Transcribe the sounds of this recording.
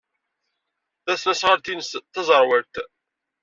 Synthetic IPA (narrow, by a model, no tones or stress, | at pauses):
θæθnæsʁəɾt̪inəsθɑzˤəɾˤwəɾt̪